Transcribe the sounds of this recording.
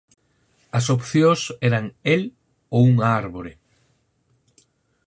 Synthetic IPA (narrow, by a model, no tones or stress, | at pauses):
ɐsopθjõsɛɾaŋel | ouŋaɾβoɾe